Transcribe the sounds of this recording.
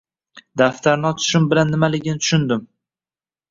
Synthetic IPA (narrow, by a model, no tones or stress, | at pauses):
d̪aft̪ʰaɾnɪɒt͡ʃ̪ʰʊ̥ʃɪmbɪlanːɪmalɪɡʲɪnɪt̪ʰʊ̥ʃʊnd̪ɪm